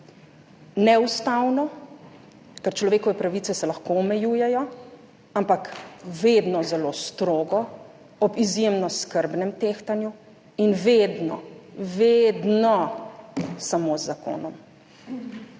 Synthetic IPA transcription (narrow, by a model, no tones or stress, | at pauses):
nɛust̪awnɔ | kəɾt͡ʃlɔʋeːkɔʋɛpɾaʋiːt̪sɛsɛlaxkoɔmɛjuːjɛjɔ | ampakʋed̪nɔzɛloːst̪ɾoːɡɔ | ɔbizjemnɔskəɾbnɛmt̪eːxt̪anju | inʋed̪nɔ̰ʋed̪nɔ | samozːako̰ːnɔm